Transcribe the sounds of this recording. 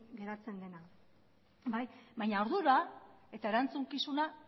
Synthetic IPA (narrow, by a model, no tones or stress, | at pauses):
ɡe̞ɾat͡se̞nd̪e̞na | bajbaɲao̞ɾðuɾae̞t̪ae̞ɾant͡suŋkisuna